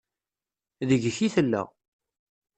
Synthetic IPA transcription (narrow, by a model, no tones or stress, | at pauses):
ðəʝçiθəlːæ̰